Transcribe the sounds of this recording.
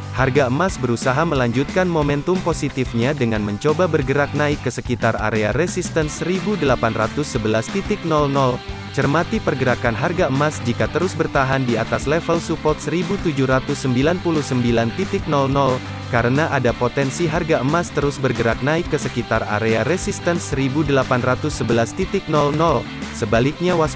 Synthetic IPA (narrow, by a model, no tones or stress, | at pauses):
harɡaəmasbəɾusaɦaməlaɲd͡ʒut̪̚kanmomɛnt̪ʊmposit̪ifɲadəŋanməɲt͡ʃobabərɡəɾak̚naɪkːəsəkit̪ara̰ɾeaɾesist̪ənsəɾibudəlapanrat̪ʊsːəbəlast̪it̪ɪk̚nɔlnɔl | t͡ʃərmat̪ipərɡəɾakanɦarɡaəmasd͡ʒikat̪əɾʊsbərt̪aɦandiat̪aslɛfəlsupɔrt̪̚səɾibut̪ud͡ʒuhɾat̪ʊsːəmbilanpuluhsəmbilant̪it̪ɪk̚nɔlnɔl | kaɾənaʔadapot̪ɛnsiɦarɡaəmast̪əɾʊsbərɡəɾak̚naɪkːəsəkit̪ara̰ɾeaɾesist̪ənsəɾibudəlapanrat̪ʊsːəbəlast̪it̪ɪk̚nɔlnɔl | səbalɪk̚ɲawas